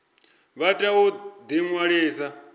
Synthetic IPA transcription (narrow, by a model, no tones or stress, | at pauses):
βatʼaud̪iŋwaɺiːsa